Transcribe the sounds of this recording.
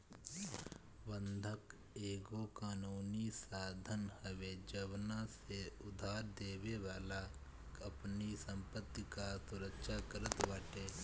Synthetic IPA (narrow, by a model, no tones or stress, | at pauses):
bə̃nd̪ʱək | eːɡokaːnuːnisaːd̪ʱənhəʋed͡ʒəʋnaseʊd̪ʱaːɾd̪eːweʋaːla | kɐpnisə̃mpət̪ːikasʊɾəkʃakəɾət̪ʋaːʈeː